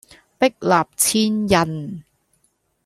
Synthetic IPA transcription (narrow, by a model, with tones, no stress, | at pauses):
pɪ˥k̚laː˨p̚t͡sʰiː˥njɐ˨˩n